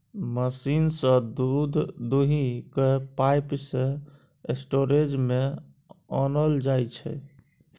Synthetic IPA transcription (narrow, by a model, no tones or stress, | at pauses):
məsinsə̃d̪ud̪ʱd̪uɦikepajpsẽ | esʈoɾed͡ʒme | ɔnəld͡ʒajt͡ʃʰɛ̰